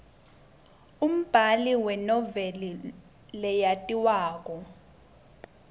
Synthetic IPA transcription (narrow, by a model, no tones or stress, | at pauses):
um̩b̥ʱaliwɛnɔvɛli | lɛjatʼiwaːk̬ʼɔ